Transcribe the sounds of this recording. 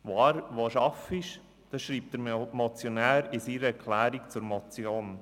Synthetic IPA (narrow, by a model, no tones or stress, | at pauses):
ʋoɑɾʋoːʃɑfɪʃ | d̥ɑʃɾiːp̚t̚d̥əɾmɔt͡sjɔnæːɾɪsiɾəɛɾkʰlæːɾikt͡sʊɾmɔt͡sjoːn